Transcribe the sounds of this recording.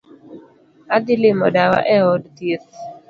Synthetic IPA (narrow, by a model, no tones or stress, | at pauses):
ad̪ɪlɪmɔdawa̰ʔɛɔdt̪jet